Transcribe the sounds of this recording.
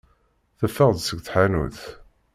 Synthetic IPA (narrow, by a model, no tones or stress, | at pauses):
θæfːəʁd̪səɡθħanṵθ